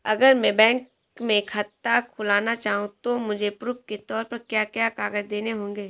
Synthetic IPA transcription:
ɐɡəɾmɛ̃bɛ̃ːŋk | mẽkʰhɐt̪ːakʰʊlaːnat͡ʃaːɦũt̪omʊd͡ʒʱepɾuːp̚ket̪ɔːɾpɐɾkjaːkjaːkaːɡəd͡ʒd̪eːneɦõːŋɡeː

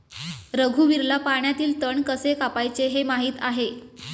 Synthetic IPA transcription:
ɾəɡʱuːʋiɾlapaɳ̃jat̪iːlt̪əɳkəsekapajt͡seɦemaɦiːt̪aɦe

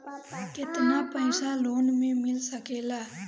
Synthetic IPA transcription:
kɪt̪naːpəɪsaːloːnmẽmɪlsəkeːlaː

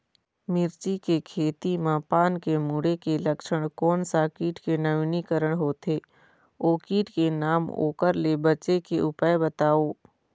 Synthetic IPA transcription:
mɪɾt͡ʃikekʰeːt̪imãːpaːnkemuːɽekeləkʃəɽ̃kɔːnsakiːʈkenəʋinikəɾəɽ̃ɦoːt̪ʰeː | oːkiːʈkenaːmo̰ːkəɾlebət͡ʃekeʔʊpəebət̪aːoː

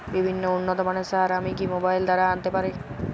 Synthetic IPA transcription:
bibʱinːounːɔt̪ɔmanesaɦaɾamikimobajld̪aɾaːnt̪epaɾe

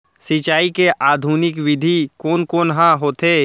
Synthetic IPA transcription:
sɪt͡ʃaːikeʔaːd̪ʱuːnɪkʋɪd̪ʱikoːnkoːnɦãɦoːt̪eː

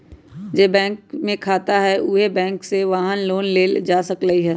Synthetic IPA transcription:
d͡ʒeːbɛ̃ːŋkmẽkʰaːt̪aɦɛʔuːɦebɛ̃ːŋkseʋaːɦənloːnleːld͡ʒaːsɐkləɦiɦɛː

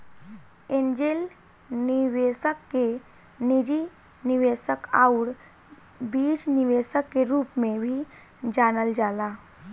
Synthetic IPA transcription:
ẽːnd͡ʒel | niʋeːsəkːe | nid͡ʒi | nɪʋeːsəkaʊɾ | biːd͡ʒnɪʋeːsəkːeɾuːpmẽbʱi | d͡ʒaːnəld͡ʒaːlaː

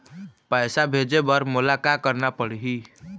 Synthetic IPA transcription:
pəjsabʱed͡ʒebəɾmulakakəɾnapəɽɦi

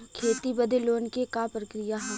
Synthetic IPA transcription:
kʰeːt̪ibəd̪ʱeloːnkekapɾəkɾijaɦɛ̃ː

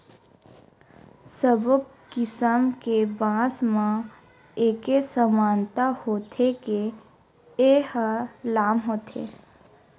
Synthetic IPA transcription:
səbək | kɪsəmkebãːsmã | eːkesəmaːnt̪ahoːt̪ʰeke | ehəlaːmɦoːt̪ʰḛː

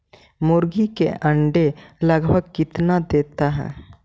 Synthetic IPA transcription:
mʊɾɡikḛʔə̃ɳɖeləɡbʱəɡ̚kɪt̪nad̪eːt̪aɦɛ̰ː

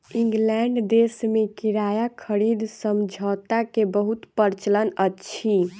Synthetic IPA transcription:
ĩŋɡlɛɳɖd̪esmekiɾajakʰəɾid̪səmd͡ʒʱɔt̪akebəɦut̪pəɾt͡ʃələnətːt͡ʃʰi

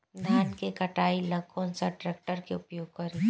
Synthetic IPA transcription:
d̪ʱaːnkekɐʈaːilɐɡkʰoːnsaʈɾeːk̚ʈəɾkeʊpjoːɡkɐɾeː

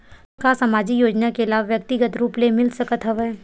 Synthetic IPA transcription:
kasəmaːd͡ʒijoːd͡ʒnakeɪlaːʋʋjək̚t̪ɪɡət̪ɾuːplemɪlsɐkət̪ɦəʋeː

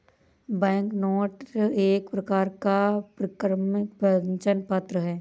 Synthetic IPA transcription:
bɛ̃ːŋknoːʈeːkpɾɐkaːɾkapɾɐkɾmpəɲt͡ʃənpat̪ɾəɦɛː

